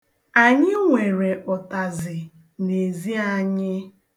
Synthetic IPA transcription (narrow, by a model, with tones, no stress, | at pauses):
a˨ɲɪ˦ŋʷe˨ɾe˨ʔɔ˨ta˨zɪ˨ | ne˨zi˦a˨ɲɪ˦